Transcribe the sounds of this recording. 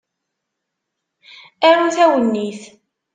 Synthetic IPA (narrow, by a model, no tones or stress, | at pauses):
æɾuθæwənːiθ